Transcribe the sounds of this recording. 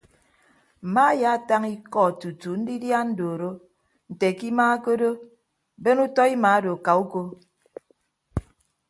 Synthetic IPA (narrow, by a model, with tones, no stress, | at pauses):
m̩˨ma˦ja˦˨ta˦ŋi˦kɔ˦˨tu˨tu˨n̩˦di˦dja˦n̩˦do˨ɾo˦ | n̩˨te˨ki˦ma˦ko˦do˦ | be˦nu˦tɔ˦i˦ma˨˦do˨ka˨u˦ko˦